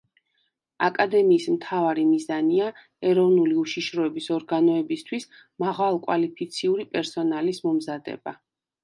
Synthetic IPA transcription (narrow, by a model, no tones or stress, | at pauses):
akʼad̪ɛmiːsmt̪ʰavaɾimizania | ɛɾɔvnuliuʃiʃɾɔɛbisɔɾɡanɔɛbist̪ʰwis | maʁalˠkʼwalipʰit̪sʰiuɾipʼɛɾsɔnalismɔmzad̪ɛ̰ba̰